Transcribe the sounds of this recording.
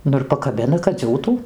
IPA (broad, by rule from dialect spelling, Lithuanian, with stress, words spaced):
ˈnʊ ɪr pɐkɐˈbʲɪnɐ kɐt ˈd͡zʲuːtuː